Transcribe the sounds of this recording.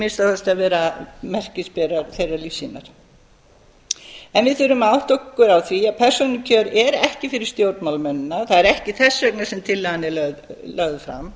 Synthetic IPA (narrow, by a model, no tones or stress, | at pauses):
mɪnst̪aθɛst̪avɛːɾamɛr̥cɪspɛɾaɾθejraɾlifsinaɾ̥ | ɛnvɪðθʏɾʏmawht̪okːʏɾawθviaðpʰɛr̥sɔnʏcʰœːɾɛɾɛhcɪfɪɾɪɾ̥st̪jowɾt̪mawlmɛnːʏnaθaðɛɾɛhcɪθɛsːœk̚nasɛmt̪ʰɪlːɛɣanːɪlœɣðlœɣðfɾa̰m